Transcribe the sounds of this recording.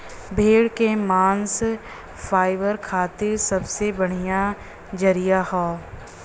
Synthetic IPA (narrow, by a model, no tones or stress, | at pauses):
bʱeːɽkemaːns | faːɪʋəɾkʰaːt̪ɪɾsɐbsebɐɽ̤ija | d͡ʒɐɾijahoː